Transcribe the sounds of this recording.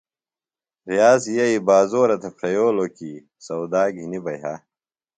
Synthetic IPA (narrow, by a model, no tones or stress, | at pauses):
ɾijaːzjɐibaːzoːɾɐt̪ʰɐpʰɾɐjoːloki | sɐwd̪aːɡʱinibɐjɦɐ̰